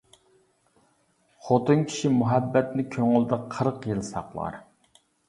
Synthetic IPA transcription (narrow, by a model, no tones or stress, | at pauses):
χot̪ɨnkʲʰi̥ʃimuɦɛbːɛt̪nɪkʲʰøŋʊlˠd̪ɪqʰəɾqjɨlˠsɑqlˠɑ̰ɾ